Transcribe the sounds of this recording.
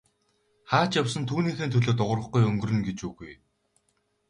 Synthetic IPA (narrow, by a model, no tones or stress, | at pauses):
χaːt͡ɕjawsə̆nt̪ʰuːniːxeːnt̪ʰɵɮoːt̪ʊʁə̆rə̆χɡujɵŋɡɵ̆rɵ̆nɡet͡ɕuɣuj